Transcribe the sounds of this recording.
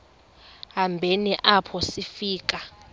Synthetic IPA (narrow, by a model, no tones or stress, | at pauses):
ɦambʱeniʔapʰɔsifiːk̬ʼa